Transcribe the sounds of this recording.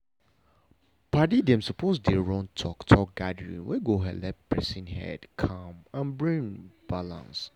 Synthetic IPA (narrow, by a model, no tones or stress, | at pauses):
pʰadidɛ̃msɔpʰosdeɹɔ̃ŋtʰɔktʰɔk̚ɡadəɹḭ̃nweɡoɦɛ̰dlɛt̚pʰɹɛsĩnhɛ̰dkʰãmãnbɹĩŋb̥alã̰ns